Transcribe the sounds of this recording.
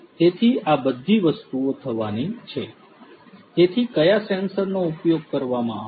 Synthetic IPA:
t̪et̪ʰiabəd̪ʱːiʋəst̪uot̪ʰəʋanit͡ʃʰe | t̪et̪ʰikəjasɛnsəɾnoupjoɡ̚kəɾʋamã

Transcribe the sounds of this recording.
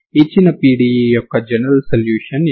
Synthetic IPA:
it͡ʃːinɐpiːɽiːjijɔkːɐd͡ʒɐnɐɾɐlsɐljuːʂɐn

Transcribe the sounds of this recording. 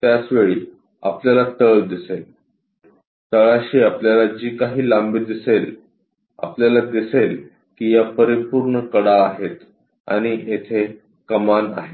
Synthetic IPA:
t̪jat͡sʋeɭiː | a̰pljalat̪əɭd̪isel | t̪əɭaɕiːapljalad͡ʑiːkaɦiːlambiːd̪isel | a̰pljalad̪isel | kiːjapəɾipuɾɳəkəɽaːɦet̪ | a̰ɽ̃iet̪ʰe | kəmana̰ɦe

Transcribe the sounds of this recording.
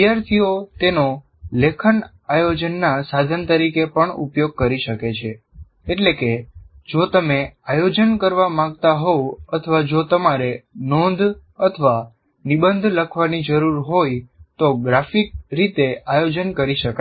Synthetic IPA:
jaɾt̪ʰijot̪eno | lekʰən | ajod͡ʒənːasad̪ʱənt̪əɾikepəɳṵpjoɡ̚kəɾiʃəket͡ʃʰe | eʈleke | d͡ʒot̪əmeajod͡ʒənkəɾʋamãɡ̚t̪aɦoət̪ʰəʋad͡ʒot̪əmaɾenõnd̪ʱ | ət̪ʰəʋa | nibənd̪ʱləkʰʋanid͡ʒəɾuɾɦojt̪oɡɾafik̚ɾit̪eajod͡ʒənkəɾiʃəka

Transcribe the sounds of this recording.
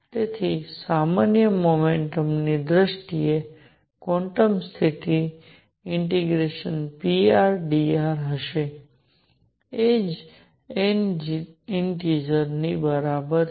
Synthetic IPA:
t̪et̪ʰisamanjəmomeɳʈəmnid̪ɾəʃʈie | kɔ̃ɳʈəmst̪ʰit̪i | ɪɳʈiɡɾeʃənpiaɾɖiaɾɦəʃe | ed͡ʒ | en | enʈid͡ʒəɾnibəɾabəɾ

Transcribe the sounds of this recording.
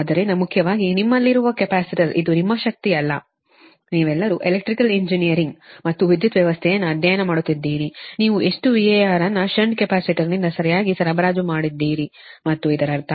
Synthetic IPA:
aːd̪ɐɾenɐmukʰjɐʋaːɡinimːɐlːiɾuʋɐkɛpaːsiʈɐɾid̪unimːɐʃɐk̚t̪iɐlːɐ̰ | niːʋɛlːɐɾuʔelek̚ʈɾikɐleɲd͡ʒinijɐɾiŋɡmɐt̪ːuʋid̪jut̪ʋjɛʋɐst̪ʰɛjɐnːɐɐd̪ʱjaːjɐnɐmaːɽut̪ːid̪ːiːɾiniːʋuʔe̞ʂʈuʋiejaːɾɐnːɐʃɐɳɖkɛpaːsiʈiɾnind̪ɐsɐɾɐjaːɡisɐɾɐbɐɾaːd͡ʒumaːɽid̪ːiːɾi | mɐt̪ːuid̪ɐɾɐɾt̪ʰɐ

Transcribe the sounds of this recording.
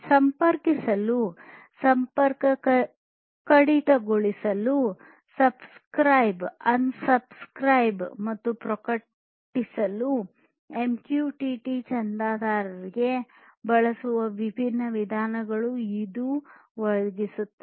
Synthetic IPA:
sɐmpɐɾkisɐlu | sɐmpɐɾkɐk | kɐɽit̪ɐɡoɭisɐlu | sɐbskɾɐjbɐnsɐbskɾɐjbmɐt̪ːupɾɐkɐ | ʈːisɐlu | emkjuːʈiʈit͡ʃɐnd̪aːd̪aːɾɐɾiɡe̞ | bɐɭɐsuʋɐʋibʱinːɐʋid̪ʱaːnɐɡɐɭuid̪uʋɔɭɡisut̪ːe

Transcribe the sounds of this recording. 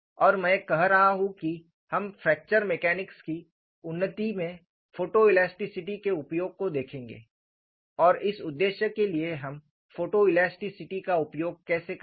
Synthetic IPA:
ɔːɾmɛ̃ːkɐɦɾɐɦaɦũki | hɐmfɛːk̚t͡ʃəɾmekɛːnɪkski | ʊnːət̪imẽ | foːʈoɪlɛːsʈɪsɪʈikeʊpjoːɡ̚kod̪eːkʰẽːŋɡḛː | ɔːɾɪsʊd̪ːeːʃəkelieɦɐm | foːʈoɪlɛːsʈɪsɪʈikaʊpjoːɡ̚kɛːsek

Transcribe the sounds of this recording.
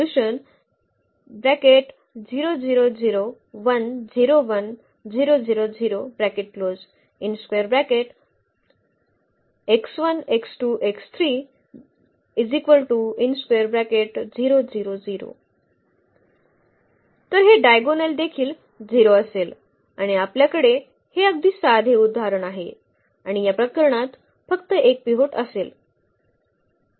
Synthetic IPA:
uʃən | bɾɛkeʈ | ziːɾod͡ʒiːɾod͡ʒiːɾo | ʋɐnd͡ʒiɾoʋɐn | ziːɾod͡ʒiːɾoziːɾobɾɛkeʈ̚kloːz | inskweəɾbɾɛkeʈ | eksʋɐneksʈuːʔekst̪ʰɾi | izikʋəlʈuinskejəɾbɾækeʈd͡ziɾod͡ziɾod͡ziɾo̰ | t̪əɾɦeɖajɡoneld̪ekʰiːl | d͡ziɾoəsel | aɽ̃iapljakəɽe | heəɡ̚d̪ʱiːsad̪ʱeud̪ʱːaɾəɳaɦe | aɽ̃ijapɾəkəɾɳat̪ | fəkt̪əʔek̚piɦoʈəsel

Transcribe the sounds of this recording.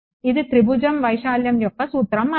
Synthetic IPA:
ɪðɯt̪ɾɪbʊd͡ʒɐmʋɐɪʂaːljɐmjɔkːɐsuːt̪ɾɐmɐ

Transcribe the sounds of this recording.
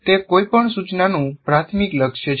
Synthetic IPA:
t̪ekoipəɳsut͡ʃnanũpɾat̪ʰmikləkʃjə

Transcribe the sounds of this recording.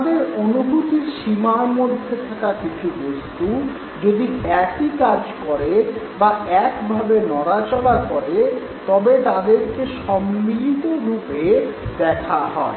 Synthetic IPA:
t̪ad̪eɾonubut̪iɾʃimaɾmod̪ʱːet̪ʰakakit͡ɕʰubost̪u | d͡ʑod̪iɛkikad͡ʑkɔɾe | baɛkbʱabenɔɾat͡ɕolakɔɾe | t̪ɔbet̪ad̪eɾkeʃɔmːilit̪oɾuped̪ɛkʰaɦɔe

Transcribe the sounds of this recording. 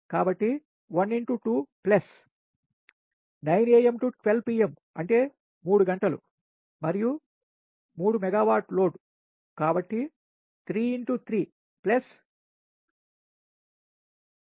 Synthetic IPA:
kaːbɐʈːi | ʋɐniɳʈuʈuːplɐs | nɐjneːjemʈuʈʋelpiːem | ɐ̰ɳʈe̞ː | muːɽuɡɐɳʈɐlṵ | mɐɾiju | muːɽumɛɡaːʋaːʈlo̞ːɖu | kaːbɐʈːi | t̪ʰɾiːiɳʈut̪ʰɾiː | plɐs

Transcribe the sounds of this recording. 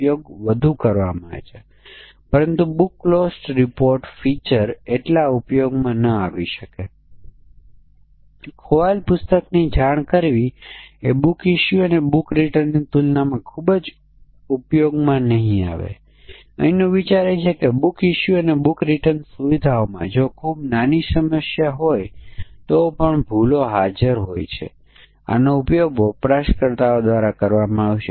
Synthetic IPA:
pjoɡʋəd̪ʱukəɾʋa̰ma̰ḛt͡ʃʰe | pəɾənt̪ubukːlosʈɾipoɾʈfit͡ʃəɾeʈlaupjoɡmãnəaʋiʃəke | kʰoʋalpʊst̪əknid͡ʒʱaɳ̃kəɾʋiebukiʃjuənebukɾiʈəɾnit̪ulnamãkʰubd͡ʒ | upjoɡmãnəɦĩa̰ʋḛ | ə̰inõʋit͡ʃaɾet͡ʃʰekebukiʃuənebukɾiʈənsuʋid̪ʱaomã̰d͡ʒokʰubnanisəməʃjaɦojt̪opəɳbʱuloɦad͡ʒəɾɦojt͡ʃʰḛ | a̰noupjoɡopɾaʃkəɾt̪aod̪ʋaɾakəɾʋamãaʋet͡ʃʰe

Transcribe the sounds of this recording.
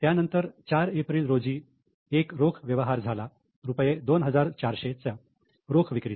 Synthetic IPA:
t̪janənt̪əɾt͡ɕaɾepɾiːlɾod͡ziː | ekɾokʰʋjəʋɦaɾd͡zʱala | ɾupjed̪onɦəd͡zaɾt͡ɕaɾɕet͡sa | ɾokʰʋikɾit̪

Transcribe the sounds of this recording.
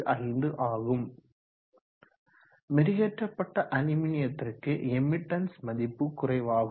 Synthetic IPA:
ʔɐrɪnd̪ɯʔaːɣɯm | mɛɾɪɣɛʈrɐpːɐʈːɐʔɐnɪmɪnɪjɐt̪ːɪrkɯɛmːɪʈːɐnsmɐðɪpːɯkʊrɐɪʋaːɣ

